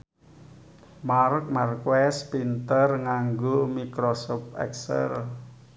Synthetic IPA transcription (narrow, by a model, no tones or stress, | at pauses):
maɾək̚markwɛspint̪ərŋaŋɡomikɾɔsɔpɛ̰ksə̰r